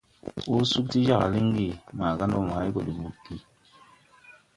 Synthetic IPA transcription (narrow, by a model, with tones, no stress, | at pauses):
u˦su˦k̚ti˦d͡ʒa˦˨ka̰˨li˦ŋ˦ɡi˦˨ma˨ka˦nɔ˦˨mo˨a˦i˦ko˨di˨mu˨kːi˦